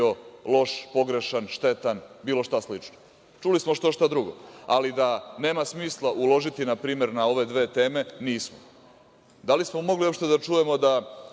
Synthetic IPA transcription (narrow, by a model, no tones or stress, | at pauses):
o̞lo̞ʃpo̞ɡɾe̞ʃanʃt̪e̞t̪anbiːlo̞ʃt̪aslit͡ʃno | t͡ʃulismo̞ʃt̪oʃt̪ad̪ɾuɡo̞̰alid̪ane̞ːmasmiːslˠaʔulo̞ʒit̪inapɾiːme̞ɾnao̞ʋe̞d̪ʋe̞ːt̪e̞ːme̞niːsmo | d̪alismo̞mo̞ɡlio̞pʃt̪e̞d̪at͡ʂuje̞mo̞d̪a